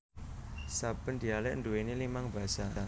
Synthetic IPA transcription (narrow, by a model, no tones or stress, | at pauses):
sab̥ənd̪i̤alɛʔnd̪uwenelimaŋba̤sa